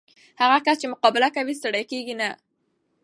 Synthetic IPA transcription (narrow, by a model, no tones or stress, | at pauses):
haɣakast͡ʃemʊqɑbɪlakawis̬t̪aɽajkeɡina